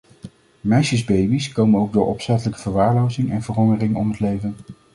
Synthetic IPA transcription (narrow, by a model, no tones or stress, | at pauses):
mɛjʃəzbejbiskowmənowɡ̚dʊːɹʔɔpsɛtələkəv̥əɹʋaːɹlowzɪŋɛnvəɹɦɔŋərɪŋɔmɦətlejvən